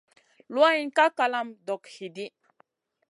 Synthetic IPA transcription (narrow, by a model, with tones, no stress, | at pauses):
lwa˦i˦nka˦ka˨la˦mdɔ˨khi˨di˦